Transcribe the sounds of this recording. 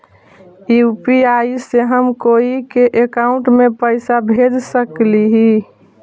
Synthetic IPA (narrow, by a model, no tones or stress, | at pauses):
iupiaiseɦəmkoikeʔekaʊ̃ɳʈmepəɪsabʱed͡ʒsəkliɦi